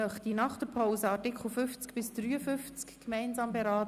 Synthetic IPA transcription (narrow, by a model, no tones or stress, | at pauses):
œχt̪inɑχt̪əpʰaʊsəɑtɪkχl̩ˠfʏft͡skb̥ɪsd̥ɾyːəfʏft͡skːmɛɪnzɑːmbɛɾɑːt